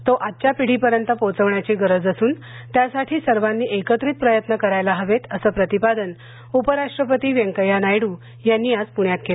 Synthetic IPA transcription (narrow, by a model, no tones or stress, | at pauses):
t̪oʔat̪t͡ɕjapiɽ̤iːpəɾjənt̪əpot͡səʋɳjat͡ɕiːɡəɾəd͡zəsuːn | t̪jasaʈʰiːsəɾʋanːiːʔekət̪ɾiːt̪̚pɾəjət̪nəkəɾajlaɦəʋet̪əsəːpɾət̪ipad̪ən | upəɾaʂʈɾəpət̪iːʋjẽŋkəjanajɽuː | janːiːad͡zpuɳjat̪̚ke